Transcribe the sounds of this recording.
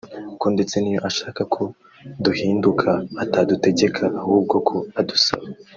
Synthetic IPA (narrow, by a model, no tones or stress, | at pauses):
ukonde̞t͡se̞nijo̞ʔaʃaːkakʰo | duhiːndukʰaːtaːdute̞ɟe̞kʰaʔahuːb̚ɡo̞kʰo̞adusa̰βe